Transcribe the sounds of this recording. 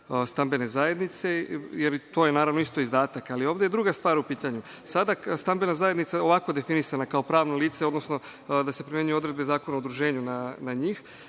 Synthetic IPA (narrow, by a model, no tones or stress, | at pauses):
st̪ambe̞ne̞zaje̞d̪nit̪se̞jeɾt̪o̞ːjenaːɾaʋno̞ist̪o̞izd̪aːt̪akalio̞ːʋd̪eed̪ɾuɡast̪ʋaːɾupiːt̪aɲu | sad̪ast̪ambe̞nazajed̪nit̪sao̞ʋakod̪e̞finisanakao̞pɾaːʋnoliːt̪seo̞d̪nosno̞d̪ase̞pɾimje̞ɲujeo̞d̪ɾe̞d̪be̞zaːko̞naoud̪ɾuʒe̞ːɲunanaɲiːx